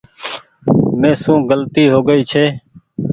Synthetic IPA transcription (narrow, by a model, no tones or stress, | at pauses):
mẽːsũːɡəlt̪iːɦoːɡəiːt͡ʃʰeː